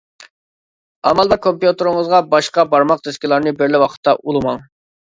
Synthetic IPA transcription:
ɑmɑlˠbɑɾkʰompjut̪ɨɾɨŋəzʁɑbɑʃqɑbɑɾmɑq̚d̪eskʲilˠɑɾnɨbɪɾlɪwɑqʰə̥t̪ʰːɑʔulˠɨmɑŋ

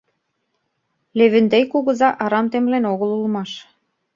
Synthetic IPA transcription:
leβɘ̆nd̪ejkuɣɤ̆zɑʔɑɾɑmt̪emlenoɣə̆lulmɑʃ

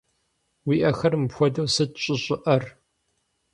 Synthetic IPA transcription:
wiːʔɐxɐrmɨpxʷɔdɐwsɨdɕʼɪɕʼɪʔɐr

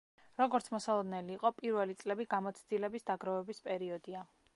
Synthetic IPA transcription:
ɾɔɡɔɾt̪sʰmɔsalˠɔd̪nɛliːqʼɔpʼiɾvɛlit̪sʼlɛbiɡamɔt̪sʰd̪ilɛbisd̪aɡɾavɛbispʼɛɾiɔd̪ia

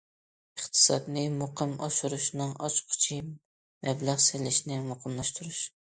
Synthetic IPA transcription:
əχt̪ʰɨ̥sɑ̰d̪nɪmoqʰɨmɑ̰ʃuɾuʃnɨŋʔɑt͡ʃqʰʊ̥t͡ʃʰi | mɛblæʁsɪlɪʃnɪmoqʰəmlˠɑʃt̪ʰuɾuʃ

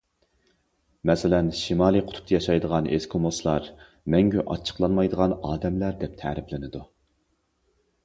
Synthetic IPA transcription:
mɛsɪlɛnʃimɑːlˠiqʰʊ̥t̪ʰu̥p̚t̪ʰɑjɑʃɑjd̪əʁɑnḛskʰomoslˠɑɾ | mɛŋɡʲyʔɑ̰t͡ʃʰːə̥qlˠɑnmɑjd̪əʁɑnɑːd̪ɛmlæɾd̪ɛp̚t̪ʰɛ̰ɾɪplɪnɪd̪u

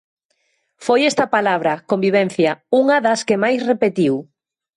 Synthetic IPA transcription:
fojɛst̪ɐpalaβ̞ɾɐkombiβ̞ɛn̟θjɐuŋɐðɐskemajsrepet̪iw

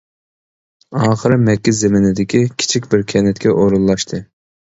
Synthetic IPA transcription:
ɑːχəɾɨmɛk̚kʲːɛzemɪnɪd̪ɪkʲikʲʰi̥t͡ʃʰikʲbɪɾkʲʰɛnɛt̪kʲʰɛʔoɾunllˠɑʃt̪ʰɨ

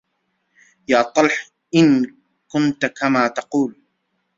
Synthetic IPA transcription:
jaːt̪ˤɑlħ | ʔɪn | kʊnt̪kamaːt̪ɑquːl

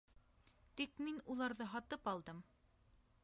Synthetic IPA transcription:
t̪ikminulˠɑɾðɤɦɑt̪ɤpɑlˠd̪ɤm

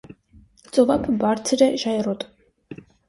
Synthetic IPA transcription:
t͡sʼɔvakʰbaɾt͡sʰɾɛʒajɛɾɔt̪ʼ

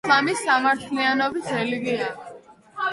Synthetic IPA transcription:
amisːamaɾt̪ʰlianɔbisɾɛliɡia

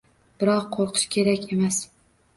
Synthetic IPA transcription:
b̥ɪɾɒqʰːoɾqʰɨ̥ʃkʲʰe̞ɾakʲe̞mas

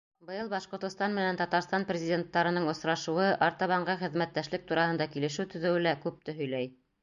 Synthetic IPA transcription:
bɤ̆jɤlˠbɑʃqŏɾt̪ŏst̪ɑnmɘ̆nænt̪ɑt̪ɑɾst̪ɑnprʲɪzʲɪdʲent̪ːɑɾɤ̆nɤɴŏsɾɑʃɤ̆wɤʔɑɾt̪ɑβɑɴɢɤχɘ̆ðmæt̪ːæʃlɘk̚t̪uɾɑhɤ̆nd̪ɑkilɘ̆ʃɘwt̪ɵ̆ðɘ̆wɘlækʉp̚t̪ɘ̆ɦɵ̆jlæj

